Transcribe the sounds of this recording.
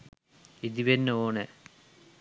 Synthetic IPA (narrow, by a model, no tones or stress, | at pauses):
id̪iʋenoːɳe